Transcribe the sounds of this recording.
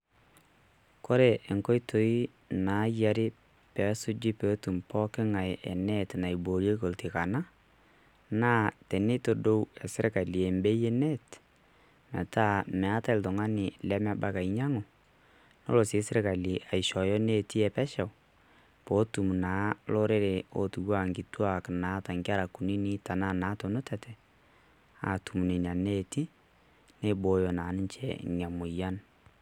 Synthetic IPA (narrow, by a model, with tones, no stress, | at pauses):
ko˦ɾɛ˨ʔe˨ŋkɔ˦jtʰo˨i˦ | na˨˦ja˨ɾɪ˦ | pɛ˨˦sʊ˦d͡ʒi˦pe˨˦tu˨mpɔ˦kɪ˦ŋa˨jɛ̰˨nɛ˦tna˨i˨bo˨ɾje˦ko˨ltɪ˨ka˨na˦ | na˦tɛ˨nɪ˦to˨do˦wɛ˨sɪ˦ɾka˨li˨ɛ˨mbe˦jɛ˦nɛ˦t | mɛ̰˨ta˦˨mɛ˨a˦ta˦ɪ˨ltɔ˨ŋa˦nɪ˨lɛ˦mɛ˦ba˦ka˨ɪ˨ɲa˦ŋʊ˨ | no̰˦lo˨si˨˦sɪ˦ɾka˨li˨a˨i˨ʃɔ˨jɔ˦ne˦˨ti˦ɛ˨pɛ˦ʃa˨w | po˨˦tu˨m˨naː˨˦lo˦ɾe˦ɾe˨o̰˨tu˨wa˦˨ŋɡi˨twa˨knaː˨˦ta˨ŋɡa˦ɾa˨ku˨ni˦ni˦ta˨na˦˨na˨˦to˨nʊ˦tɛ˨tʰɛ˨ | a̰˨tu˨m˨ne˨na˨ne˦ti˦ | ne˦bo˨˦jo˨na˨˦nɪ˦ɲt͡ʃɛ̰˨ŋa˨mʊ˨ja˦n